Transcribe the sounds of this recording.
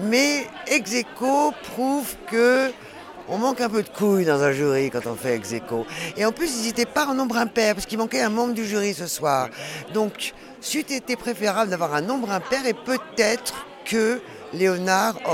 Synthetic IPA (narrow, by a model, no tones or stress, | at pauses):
mɛɛɡzekopχuvkə | ɔ̃mɑ̃kɛ̃p̬ød̪əkʰujd̪ɑ̃zɛ̃ʒyʁikɑ̃t̪ɔ̃fɛːɡzekoeɑ̃plysizet̪ɛpaɔ̃nɔ̃bʁɛ̃pɛʁpḁʁsəkilmɑ̃kɛɛ̃mɑ̃kd̪əʒyʁisəswaːʁd̪ɔ̃k | sit̪et̪ɛpχefeʁabləd̪avwaʁɛ̃nɔ̃bʁɛ̃pɛʁepøt̪ɛt̪χ | kə | leɔnaʁ